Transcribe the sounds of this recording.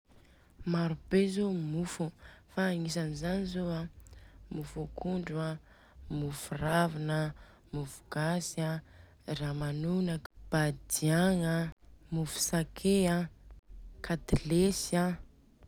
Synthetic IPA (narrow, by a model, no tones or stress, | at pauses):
maɾub̥ezomufufaːŋis̬anizanizoamufukuɳɖ͡ʐua | mufuravinə | mufu̥ɡ̥asa | ramanunəb̥ad̪iaŋamufu̥sakʰea | kʰat̪ilesa